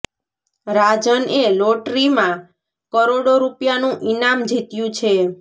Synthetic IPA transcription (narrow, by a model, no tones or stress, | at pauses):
ɾad͡ʒəneloʈɾimã | kəɾoɽoɾupjanũʔinamd͡ʒit̪jũt͡ʃʰe